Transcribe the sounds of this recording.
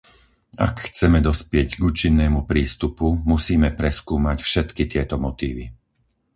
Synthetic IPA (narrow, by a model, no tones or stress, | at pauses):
a̰kxt͡sɛmɛd̪ɔspɪɛɟɡuːt͡ʃinːɛːmupɾiːst̪upumusiːmɛpɾɛskuːmacfʃɛt̪kit̪ɪɛt̪ɔmɔt̪iːʋi